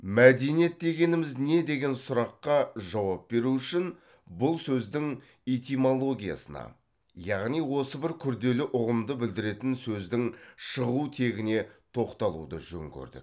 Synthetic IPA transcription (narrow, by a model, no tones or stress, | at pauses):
mæd̪e̞nijet̪̚d̪e̞ɡʲe̞nɪmɪzne̞d̪e̞ɡʲe̞nsʊɾɑqːɑʒɑwɑp̚be̞ɾuʏʃɪn | bʊlˠsɵzd̪ɪŋ | ijt̪imo̞lˠo̞ɡʲija̰sənɑ̰ | jɑʁnijwo̞səbɪɾkʲʰʏɾd̪e̞lɪʔʊʁəmd̪əbɪld̪ɪɾe̞t̪ɪnsɵzd̪ɪŋʃəʁut̪ʰe̞ɡʲɪne̞t̪ʰo̞qt̪ɑlˠṵd̪ə̰ʒɵ̰ŋkʲʰɵ̰ɾd̪ɪ̰k̚